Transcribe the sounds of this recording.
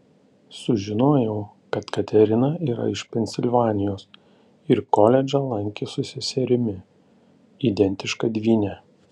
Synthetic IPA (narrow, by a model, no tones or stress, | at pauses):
sʊʒʲɪnoːjɛʊ | kɐt̪kɐt̪ʲɛɾʲɪnɐiːɾɐ̰ɪʃpʲɛnʲsʲɪlʲʋɑːnʲɪjoːs | ɪɾkoːlʲɛd͡ʒʲɐlˠɐŋʲkʲeːsʊsʲɪsʲɛɾʲɪmʲɪ | id̪ʲɛnʲt̪ʲɪʃkɐd̪ʲʋʲiːnʲɛ